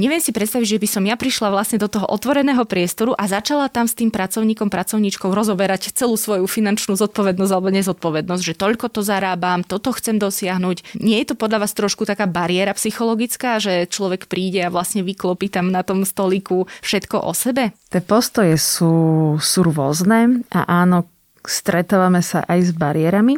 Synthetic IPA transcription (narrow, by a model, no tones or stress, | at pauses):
ɲɛʋɪɛmsipɾɛt̪st̪aʋiɟʒɛbisɔmjapɾiʃlaʋlasɲɛd̪ɔt̪ɔɦɔʔɔt̪ʋɔɾɛnɛːɦɔpɾɪɛst̪ɔɾuʔazat͡ʃalat̪amst̪iːmpɾat͡sɔʊɲiːkɔmpɾat͡sɔʊɲit͡ʃkɔʊɾɔzɔbɛɾact͡sɛluːsʋɔjufinant͡ʃnuːzɔt̪̚pɔʋɛd̪nɔszɟalɛbɔɲɛzɔt̪̚pɔʋɛd̪nɔzɟʒɛt̪ɔʎkɔt̪ɔzaɾaːbamt̪ɔt̪ɔxt͡sɛmd̪ɔsɪaɦnuːcɲɪɛjɛt̪ɔpɔd̪ʎaʋaːst̪ɾɔʃkut̪akaːbaɾɪɛɾapsixɔlɔɡit͡skaːʒɛt͡ʃlɔʋɛkpɾiːɟɛaʋlasɲɛʋiklɔpiːt̪amnat̪ɔmst̪ɔlikufʃɛt̪kɔʔɔ̰sɛbɛt̪ɪɛpɔst̪ɔjɛsuːsuɾwʊɔznɛːa̰ʔaːnɔ | st̪ɾɛt̪aːʋamɛsa̰ʔajzbaɾiɪɛɾami